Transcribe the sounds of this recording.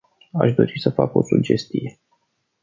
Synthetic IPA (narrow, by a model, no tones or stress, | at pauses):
aʃd̪o̞ɾisəfako̞sud͡ʒe̞st̪ije